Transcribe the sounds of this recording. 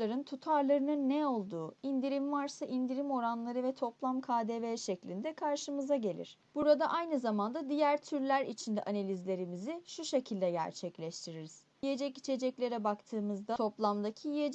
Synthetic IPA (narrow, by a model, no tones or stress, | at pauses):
aɾɯnt̪ʰut̪ʰaɾlˠaɾɯnɯnːɛo̞lˠd̪uːind̪iɾimvaɾsaʔind̪iɾimo̞ɾanlˠaɾɯvɛt̪ʰo̞plˠamkʰaːd̪eveːʃɛclʲind̪ɛkʰaɾʃɯmɯzaɟe̞lʲḭɾ̥b̥uɾad̪aʔajnɯzamand̪ad̪ijæɾt̪ʰyɾlʲæɾit͡ʃʰind̪ɛʔanalʲizlʲe̞ɾimiziʃuʃe̞cʰilʲd̪ɛɟæ̰ɾt͡ʃʰɛclʲɛʃt̪ʰiɾiɾiz̥ | ije̞d͡ʒɛcit͡ʃʰe̞d͡ʒɛclʲe̞ɾɛbakt̪ʰɯːmɯzd̪ao̞plˠamd̪acʰijijed͡ʒ